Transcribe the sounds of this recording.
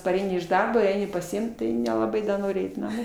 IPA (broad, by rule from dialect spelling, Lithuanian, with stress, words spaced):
pɐˈrʲɛɪnʲɪ ɪʃ ˈdɐrboː ˈɛɪnʲɪ pɐsʲɪˈɪmt ˈtɐɪ nʲɛlˠɐˈbɐɪ dɐ ˈnoːrʲɪ ˈɛɪt nɐˈmoː